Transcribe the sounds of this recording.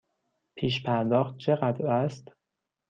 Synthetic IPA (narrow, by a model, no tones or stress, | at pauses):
pʰiːʃpʰæɾd̪ɒːxt̪̚t͡ʃʰe̞ɣæd̪ɾæst̪